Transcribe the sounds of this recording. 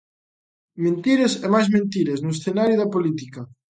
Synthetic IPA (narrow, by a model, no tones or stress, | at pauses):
mẽnt̪iɾesɛmajzmẽnt̪iɾesnʊesθenaɾjʊðɐpolit̪ikɐ